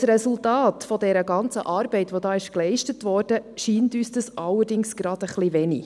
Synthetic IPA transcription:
srɛsultɑːtfɔdɛɾəɡɑnt͡sə̰ʔɑːɾb̥ɛɪtʋodɑːɪʃklɛɪʃtətʋɔːɾd̥əʃiːntyːsd̥ɑsʔɑlːərdɪŋsɡ̥ɾɑd̥əχliʋɛnḭ

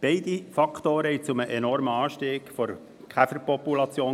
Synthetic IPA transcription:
b̥ɛɪd̥̪ifɑkʰt̪oːɾəhɛt͡sʊməʔenɔɾməɑːʃteːkfɔɾ | kχæfəɾpɔpulɑt͡sjoː

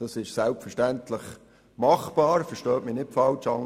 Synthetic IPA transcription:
d̥ɑsɪʃsælpfəɾʃtænt̪ləχ | mɑχb̥ɑːɾfɛɾʃtœːtmɪnɪtfɑlt͡ʃɑŋ

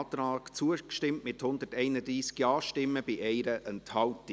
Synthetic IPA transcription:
tɾɑːkt͡suəkʃtɪmtmɪthʊnd̪ətɛɪnəd̪ɾiːsɡ̥jɑːʃtɪmːəb̥iʔɛɪɾəʔɛnthɑwt

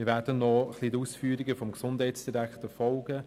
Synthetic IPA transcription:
ɪɾʋæːɾdənːɔχliːtuːsfyːɾiɡəfɔmɡsʊndɦɛɪtsd̥iɾækχtəfɔlɡ̥ə

